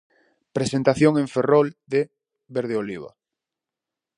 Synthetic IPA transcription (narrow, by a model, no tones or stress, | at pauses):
pɾesent̪aθjoŋẽɱferɔld̪e | βeɾð̞eoliβ̞a̰